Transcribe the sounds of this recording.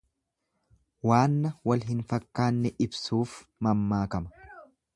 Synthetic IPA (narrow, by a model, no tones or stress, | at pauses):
waːnːɐwɐlɦɪnfɐkːaːnːɛʔɪbsuːfmɐmːaːkɐmɐ̥